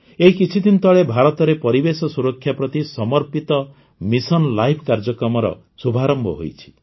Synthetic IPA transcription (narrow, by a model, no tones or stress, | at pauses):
eɦikit͡ʃʰit̪int̪ɔɭebʱaɾɔt̪ɔɾepɔɾibesɔsuɾɔkʰːjapɾɔt̪isɔmɔɾpit̪ɔ | misɔnlajpʰkaɾd͡ʒɔkɾɔmɔɾɔ̰ | subʱaɾɔmbʱɔ̰ɦo̰jt͡ʃʰi̥